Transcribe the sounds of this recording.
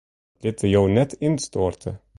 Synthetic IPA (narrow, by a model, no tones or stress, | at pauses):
lʲit̪ʰəjownɛt̪ʰɪnt̪st̪oːɾt̪ʰə̰